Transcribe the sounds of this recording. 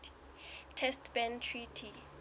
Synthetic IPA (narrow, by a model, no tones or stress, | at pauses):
tʰɛstʰbɛntʰritʰi